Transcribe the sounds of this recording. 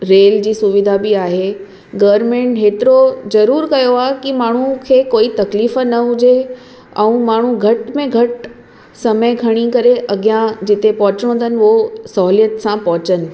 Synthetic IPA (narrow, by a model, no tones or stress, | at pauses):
ɾeːld͡ʑiːsʊʋɪd̪ʱabiaːɦe | ɡɐʋəɾmẽːɳʈɦeːt̪ɪɾozɐɾuːɾkɐjoaːɦekimaːɳ̤ukʰeːkoːit̪ɐkliːfənɐɦʊd͡ʑe | ɛ̃ũmaːɳ̤uɡʱɐʈmẽɡʱɐʈ | sɐməɡʱɐɽ̃ikɐɾeʔɐɡjãd͡ʑɪt̪epɔɦʊt͡ɕɽ̃õːnd̪ənɪ̆osɐɦlijət̪sãpɔɦʊt͡ɕənɪ̆